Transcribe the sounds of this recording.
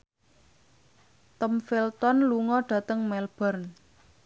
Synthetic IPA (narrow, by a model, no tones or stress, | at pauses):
t̪ɔmfilt̪ɔnluŋɔɖ̥ä̤t̪əŋmɛlb̥ə̤rn